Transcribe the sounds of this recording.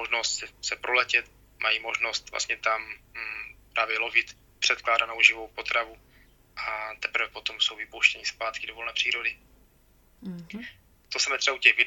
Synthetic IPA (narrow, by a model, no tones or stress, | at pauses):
oʒnost̪sɛsɛpɾʔolɛcɛt̪ | mʔajimo̞ʒno̞st̪vla̰st̪ɲɛt̪am | pɾaːvjɛlo̞vɪt̪ | pr̥ɛt̪̚klaːdanowʒɪvowpo̞t̪ɾavu | ʔat̪ɛpɾ̩vɛpo̞t̪o̞msowvɪpowʃcɛɲɪspaːt̪kɪdovolnɛːpr̝̥iːɾodɪ | t̪osɛmɛt̪rɛaucɛɣvɪ